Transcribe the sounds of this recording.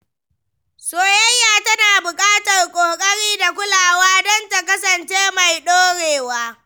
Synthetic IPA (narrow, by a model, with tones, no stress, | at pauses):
soː˨jɐ˦jːaː˨tɐ˦naː˨bʊ˨kʼaː˦tɐ˨rkʷʼoː˨kʼɐ˦ɽiː˦da˨kʷʊ˦laː˨waː˦dɔ˦nta˨kɐ˦sɐ˨nt͡ʃeː˦ma˨jɗoː˦ɽeː˨waː˦